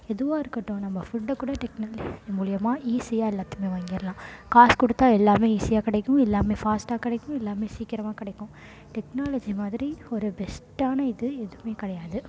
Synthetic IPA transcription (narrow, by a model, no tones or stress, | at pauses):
ɛðɯʋaːɪɾɯkːɐʈːõnɐmːɐfʊɖɐkːuːɽɐʈɛknaːlmuːlɪjɐmaːʔiːsɪjaːɛlːaːt̪ːɯmeːʋaːŋɡɪɾɐlãːkaːskɔɽɯt̪ːaːɛlːaːmeːiːsɪjaːkɪɽɐɛkːʊ̃mɛlːaːmeːfaːsʈaːkɪɽɐɪkːʊ̃mɛlːaːmeːsiːkɪɾɐmaːkɪɽɐɪkːʊ̃ | ʈɛknaːlɐd͡ʒimaːðɪɾiɔɾɯbɛsʈaːnɐɪðɯɛðɯʋmeːkɪɽɐjaːðɯ